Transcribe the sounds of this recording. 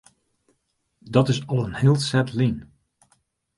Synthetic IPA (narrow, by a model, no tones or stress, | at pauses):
dɔtɪsɔlˠənhɪːlˠtsɛtlin